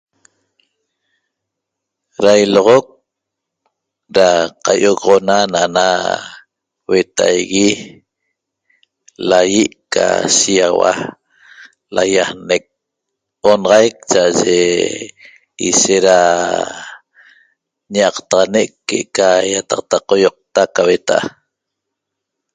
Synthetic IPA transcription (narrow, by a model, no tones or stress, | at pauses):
ɾajloʁok̚ | ɾaqajoɣʁonanaʔna | we̞t̪a̰jɣi | lajiʔka̰siawa̰ | lajahnek̚ | onɑʁɑjk̚t͡ʃaʔaʒḛ | iseɾa | ɲaɑqt̪ɑʁɑnekːeʔkajat̪ɑq̚t̪aqojoq̚t̪akawe̞t̪aʔa